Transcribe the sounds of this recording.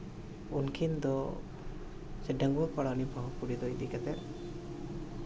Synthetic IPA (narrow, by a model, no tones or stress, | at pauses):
unkʰind̪ɔ | sɛɖaŋɡuapaɽanipaɦɔpuɽid̪ɔjd̪ikɛt̪ɛ